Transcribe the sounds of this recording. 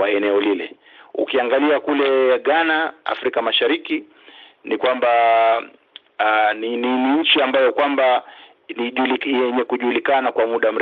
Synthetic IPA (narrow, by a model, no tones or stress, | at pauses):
waɛnɛɔlilɛ̰ | ṵkiaŋɡaliakulɛɠanaa̰fɾikamaʃaɾiki | nikwamba | nininiɲ̩t͡ʃiambajɔkwamba | niʄulijɛɲɛkuʄulikanakwamuɗam̩ɾɛ